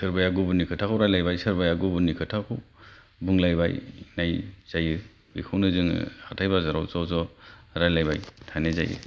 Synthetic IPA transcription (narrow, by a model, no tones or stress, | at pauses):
sɯɾbajaɡubunːikʰɯtʰakʰɯwɾajlajbajsɯɾbajaɡubunːikʰɯtʰakʰuw | buŋlajba̰jnajz̥ajɯ | bikʰɯwnɯzɯŋ̰hatʰajbazaɾawsawzɔɾajlajbajtʰajnaza̰jɯ̰